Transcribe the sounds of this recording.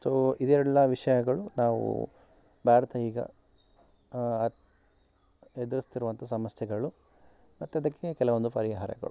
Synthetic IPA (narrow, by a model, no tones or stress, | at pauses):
soːid̪ɛlːɐʋiʂɐjɐɡɐɭunaːʋṵ | bʱaːɾɐt̪ʰɐiːɡɐ̰ | ed̪ɐɾust̪iɾuʋɐnt̪ʰɐsɐmɐsjɐɡɐɭu | mɐt̪ːuɐd̪ɐkːekɛlɐʋo̞nd̪upɐɾiɦɐɾɐ̰ɡɐ̰ɭu